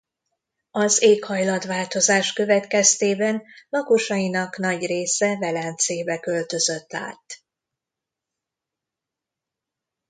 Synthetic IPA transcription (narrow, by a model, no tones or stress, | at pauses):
ɒzeːkhɒjlɒd̪ʋaːlt̪o̞zaːʃkø̞vɛt̪kɛst̪eːbɛnlɒkoʃɒjinɒknɒɟreːsɛvɛlɛnt̪seːbɛkø̞lt̪ø̞zø̞t̪ːa̰ːt̪